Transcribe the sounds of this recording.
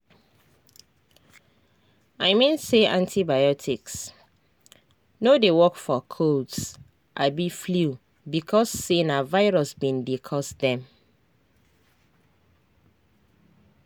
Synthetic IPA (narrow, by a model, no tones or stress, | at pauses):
aɪmĩnseãntʰibajɔtʰiks | nodewɔkfɔkʰods | ʔabiflu | bikʰɔsːenavaɪɹɔsbĩndekʰɔsdɛ̃m